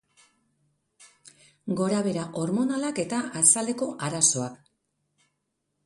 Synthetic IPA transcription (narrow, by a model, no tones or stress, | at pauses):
ɡo̞ɾaβ̞e̞ɾaʔo̞ɾmo̞nalake̞t̪aʔasald̪e̞ko̞ʔaɾaso̞ak